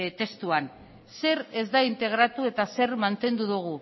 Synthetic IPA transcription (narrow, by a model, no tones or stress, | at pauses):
t̪e̞st̪uan | se̞ɾe̞zd̪aint̪e̞ɣ̞ɾat̪ue̞t̪ase̞ɾmant̪e̞nd̪uðuɣ̞u